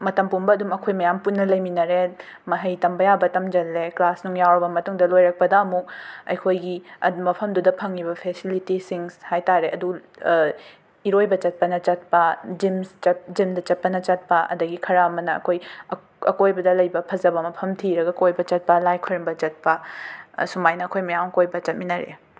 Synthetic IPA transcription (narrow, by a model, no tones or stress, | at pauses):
mɐtɐmpumbɐːdumɐkʰojmɐjampunːɐlɐjminɐɾe | mɐɦɐjtɐmbɐjabɐtɐmd͡ʒɐlːeklasnuŋjawɾɐbɐmɐtuŋdɐlojɾɐk̚pɐdɐɐmuk̚ɐ̰jkʰojɡiɐ̰mɐpʰɐmdudɐpʰɐŋːibɐpʰesilitisiŋhajtaɾeʔɐdu | iɾojbɐt͡ʃɐt̚pɐnɐt͡ʃɐt̚pɐd͡ʒimt͡ʃɐt̚d͡ʒimdɐt͡ʃɐt̚pɐnɐt͡ʃɐt̚pɐʔɐ̰dɐɡikʰɐɾaɐmɐnɐ̰ːkʰoj | ɐ̰kojbɐdɐlɐjbɐpʰɐzɐbɐmɐpʰɐmtʰiɾɐɡɐkojbɐt͡ʃɐt̚pɐlajkʰoɾmbɐt͡ʃɐt̚pɐ | sumajnɐːkʰojmɐjaŋkojbɐt͡ʃɐt̚minɐɾḛ